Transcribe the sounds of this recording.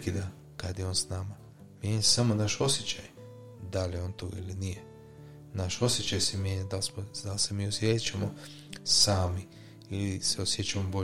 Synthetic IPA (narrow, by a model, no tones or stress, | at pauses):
kid̪a | kad̪jeo̞nsnama | mjeɲase̥samonaʃo̞sjet͡ɕaj | d̪alijeo̞ːnt̪oːɡailinije | naʃo̞sje̞t͡ɕajsemjeɲad̪alsmod̪alsemiːosjet͡ɕamo | saːmi | iliseosjet͡ɕamobo